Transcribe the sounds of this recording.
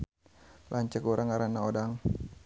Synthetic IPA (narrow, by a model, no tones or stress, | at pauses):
lʔaɲt͡ʃəkuɾaŋaɾanaodaŋ